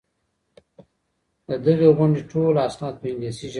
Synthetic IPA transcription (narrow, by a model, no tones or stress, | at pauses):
d̪əd̪əɣeɣʊɳɖeʈʰolasnɑt̪̚pəɪŋdisiʒ